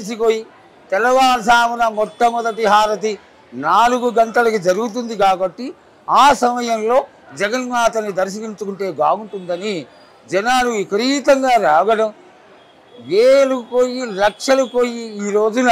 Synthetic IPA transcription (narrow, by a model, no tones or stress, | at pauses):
esikoːji | t̪ɛlɐʋaːnɐsaːmɐnɐmɔt̪ːɐmɔd̪ɐʈiɦaːɾɐt̪̬i | naːluɡuɡɐnt̪ɐlɐkid͡ʒɐɾuɡut̪und̪ikaːbɐʈːi | aːsɐmɐjɐmlo̞ː | d͡ʒɛɡɐnmaːt̪ɐnːid̪ɐɾʃ̬ɐkint͡ʃukuɳʈe̞ːɡaːuɳʈund̪ɐni | d͡ʒɛnaːlukɐɾiːt̪ɐŋɡaːɾaːɡɐɽɐm | ʋeːlukoːjilɐkʂɐlukoːjiiːɾo̞ːd͡ʒunɐ